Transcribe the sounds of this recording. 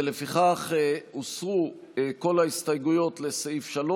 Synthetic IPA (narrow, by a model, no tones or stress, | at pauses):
elefiχaχeosʁu | ko̞laist̪ajɡujo̞tle̞seifʃalo